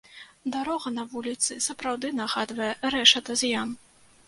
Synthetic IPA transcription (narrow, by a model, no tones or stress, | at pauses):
d̪aɾɔɣɐnɐvulʲit̪sɨsɐpɾawd̪ɨnɐɣad̪vɐjɛɾɛʂɐt̪ɐzʲjan